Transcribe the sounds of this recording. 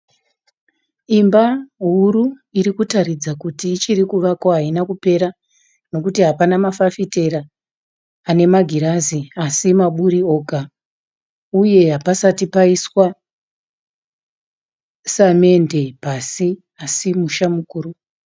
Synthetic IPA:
imbaɦuɾu | iɾikutaɾid͡zakutiːt͡ʃiɾikuʋakoɦainakupe̞ɾa | no̞kutiɦapanamafafite̞ɾaː | ne̞maɡʱiɾaziasimaɓuɾio̞ːɡʱa | uje̞ɦapasatipaiswa | same̞nde̞pasi | asimuʃamukuːɾu

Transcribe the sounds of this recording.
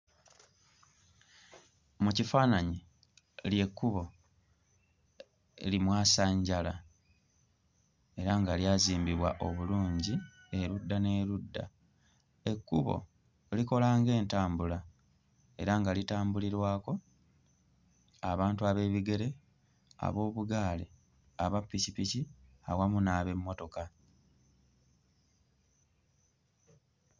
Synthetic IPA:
mucifaːnaɲi | lje̞kːuβo̞ | ḛlimwaːsaɲɟala | e̞ɾaŋɡaljaːziːmbiβwaʔo̞βuluːɲɟi | e̞ɾudːane̞ːɾudːa̰ | e̞kːuβo̞̰ | liko̞laːŋɡe̞ːntaːmbula | e̞̰ɾaŋɡalitaːmbuliɾwaːko̞ | aβaːntuaβe̞ːβiɡe̞ɾe̞ | a̰βo̞ːβuɡaːlḛ | aβapːicipici | awamunaːβe̞mːo̞to̞ka

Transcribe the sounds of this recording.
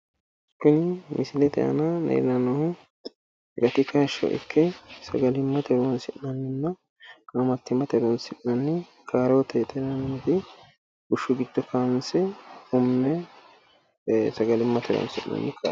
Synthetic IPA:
kːʊnɪmɪsɪlɛt̪ɛ̰ʔɐ̰nɐnḛːɾɪnɐnɔhʊ | ɡɐt̪ɪkʰɐʃɔ̰ʔɪ̰kʰːɛsɐɡɐlɪmːɐt̪ɛɾwɔnsɪʔnɐnːɪnːɐ | ʔɐmɐt̪ːɪmɐt̪ɛɾɔnsɪʔnɐnːɪ | kʰaːɾɛwɔt̪ɛt̪ɛɾɐnɪmɛt̪ɪ | ɡʊʃːʊɡɪd̪̥ːɔkansɛʊmːɛ | sɐɡɐlɪmːɐt̪ʰɛɾɔ̰nsɪʔnɐ̰nːɪkʰa̰

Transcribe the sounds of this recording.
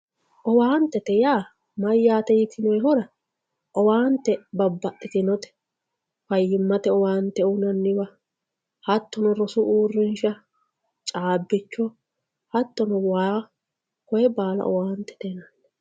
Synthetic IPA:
ʔɔwaːnt̪ːɛt̪ɛjaː | mɐjːaːt̪ɛjɪt̪ʰɪnɔjɛɦɔɾɐ | ʔɔwaːnt̪ːɛbɐbːɐʔɪt̪ɪnɔt̪ɛ̥ | fɐjːɪmːɐt̪ɛɔwaːnt̪ːɛʊnɐnːɪbɐ | hɐt̪ːɔnɔɾɔsʊʔuːrːɪnʃɐ | t͡ʃʼaːbːɪt͡ʃːɔ | hɐt̪ːɔnɔwaː | kɔjɛbaːlɐ̰ʔɔ̰waːnt̪ːɛ̥t̪ɛnɐnːɛ

